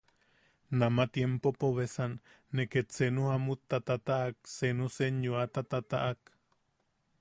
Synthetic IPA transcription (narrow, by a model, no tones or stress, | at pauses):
namat̪jempopoβesanː | eket͡senuhamut̪ːat̪at̪aʔak̚senuseɲjuat̪at̪at̪a̰ʔak